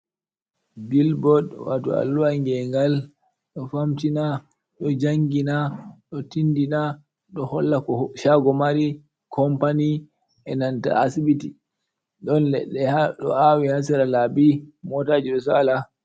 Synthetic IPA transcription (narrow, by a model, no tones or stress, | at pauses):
bilbɔɗwa̰tɔ̰a̰lːuwaŋɡɛŋɡal | ɗɔfamtina | ɗɔd͡ʒaŋɡinaɗɔtindina | ɗɔhɔlːakɔʃaɡɔmaɾi | kʰɔmpani | ɛnanta̰ːsibiti | ɗɔnlɛ̰ɗːɛhaɗɔ̰awihas̬iɾalabimɔtaːd͡ʒiɗɔsala